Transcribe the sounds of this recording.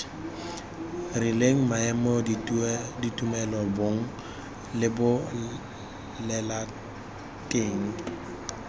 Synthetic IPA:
rileŋ̩maɛmɔ | ditʼumɛlɔbʊŋ̩ | lɪbʊ | lɛla | tʼeŋ̩

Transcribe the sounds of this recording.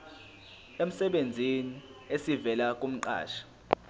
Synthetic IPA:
em̩sɛɓend͡zʱiniesivɛlakʼum̩ǃa̰ːʃḁ

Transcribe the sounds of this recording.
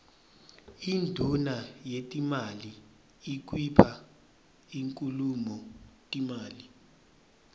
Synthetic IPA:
indʱunajetʼimaliː | k̬wipʰa | iŋkʼulumɔtʼimaːli

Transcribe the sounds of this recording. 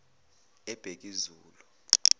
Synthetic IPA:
ɛb̥ʱek̬ʼizuːlu

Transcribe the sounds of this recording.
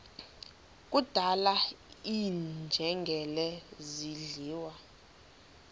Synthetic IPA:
k̬ʼud̥ʱala | iːnd͡ʒʱɛŋɡʱɛlɛziɮiːwa

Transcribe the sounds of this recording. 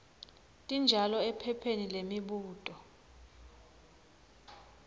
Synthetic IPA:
tʼind͡ʒʱalɔɛpʰɛpʰenilemiɓuːtʼɔ

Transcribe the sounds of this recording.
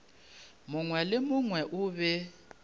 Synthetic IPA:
mʊŋwɛlɪmʊŋwɛʔʊβɛ

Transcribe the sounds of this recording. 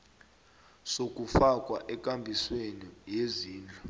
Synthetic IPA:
sok̬ʼufak̬ʼwaʔɛk̬ʼambʱiswenijeziːnd͡ɮʱɔ

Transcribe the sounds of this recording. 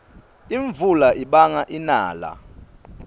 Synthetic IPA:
iɱvulaʔiɓaŋaʔina̰ːla̰

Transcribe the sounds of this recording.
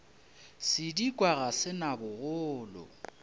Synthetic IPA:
sɪdikʼwaɣasɪnabʊɣʊːlɔ̰

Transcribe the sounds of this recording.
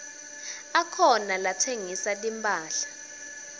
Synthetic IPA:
akʰɔnalatʰeŋisatʼimpʼaːɬḁ

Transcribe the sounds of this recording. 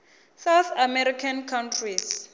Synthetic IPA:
sawθamɛɾikʰankʰawntʰris

